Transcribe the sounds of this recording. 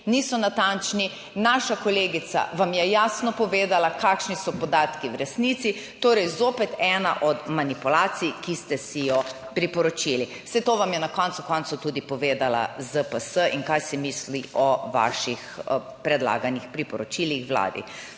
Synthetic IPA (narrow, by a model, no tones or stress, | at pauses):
nisɔnat̪ant͡ʃni | naːʃakɔleːɡit̪sa̰ʋamjɛjaːsnɔpɔʋeːd̪alakaːkʃnisɔpɔd̪aːt̪kiwɾɛsnit̪si | t̪oːɾɛjzoːpɛt̪ɛːna̰ʔɔd̪manipulaːt̪sijkist̪ɛsijɔ | pɾipɔɾɔt͡ʃiliw̥sɛt̪oʋamjɛnakɔnt̪sukɔnt̪sut̪ud̪ipɔʋeːd̪ala̰zəpəsəʔiŋkajsimisliʔɔʋa̰ʃixpɾɛd̪la̰ːɡanixpɾipɔɾɔt͡ʃilixʋwla̰ːd̪ḭ